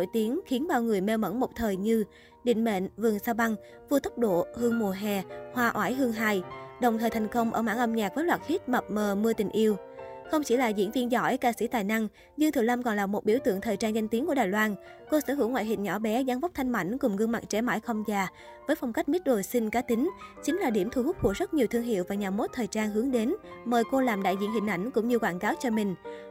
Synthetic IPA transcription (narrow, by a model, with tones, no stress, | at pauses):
o̰˧˨jt̪i˨˦əŋxi˨˦ənɓaː˧˩wŋɨ˨˩əjmɛ˧wmə̰˧˥nmo˨˩k͡p̚t̪ʰəː˨˩jɲɨ˧ | ɗḭ˧˨ŋ̟mḛ˧˨nvɨ˨˩əŋsaː˧wɓa˧ŋ | vu˧ət̪ə˦˥k͡p̚ɗo̰˧˨hɨ˧əŋmu˨˩əɦɛ˨˩hwaː˧ʔwaː˧˥jɦɨ˧əŋɦaː˧jɗə˨˩wŋ͡mt̪ʰəː˨˩jt̪ʰa˨˩jŋ̟kə˧wŋ͡mʔəː˧˩ma̰ː˧˥˩ŋʔə˧mɲaː˨˩k̚vəː˨˦jlwaː˨˩t̚hi˦˥t̚mə˨˩p̚məː˨˩mɨ˧ət̪ï˨˩ŋ̟ʔi˧əw | xə˧wŋ͡mt͡ɕḭ˧˩laː˨˩zḭ˧˥ənvi˧ənzɔ˧˥jkaː˧sḭ˧˥t̪aː˨˩jna˧ŋ | ɲɨ˧ŋt̪ʰɨ˨˩lə˧mkɔ˨˩nlaː˨˩mo˨˩t̚ɓḭ˧˩əwt̪ɨ̰˧˨əŋt̪ʰəː˨˩jt͡ɕaː˧nza˧ŋ̟t̪i˨˦nku˧˩əɗaː˨˩jlwaː˧nko˧səː˧˦ɦɨ̰˧˩wŋwa̰ː˧˨jɦï˨˩ŋ̟ɲɔ˧˩ɓɛ˨˦zaː˧nva˦˥k͡p̚t̪ʰa˧jŋ̟ma̰˧˩jŋ̟kʊ˨˩ŋ͡mɣɨ˧ŋma̰˨˩ŋ̚t͡ɕɛ˧˥ma̰ː˧˥jxə˧wŋ͡mzaː˨˩ | vəː˨˦jfa˧wŋ͡mka˦˥k̟̚mi˦˥t̚ɗo˨˩jsï˧ŋkaː˨˦t̪ï˨˦ŋ̟t͡ɕï˨˦ŋ̟laː˨˩ɗi˧˩əmt̪ʰu˧˩hʊ˦˥k͡p̚ku˧˩əzə˦˥t̚ɲi˨˩wt̪ʰɨ˧əŋɦḭ˧˨əwvaː˨˩ɲaː˨˩mo˦˥t̚t̪ʰəː˨˩jt͡ɕaː˧nɦɨ˨˦əŋɗe˨˦nməː˨˩jko˧laː˨˩mɗa̰ː˧˨jzḭ˧˨ənhï˨˩ŋ̟ʔa˧˩jŋ̟kʊ̰˧˥ŋ͡mɲɨ˧kwaː˧˩nkaː˨˦wt͡ɕɔ˧mï˨˩ŋ̟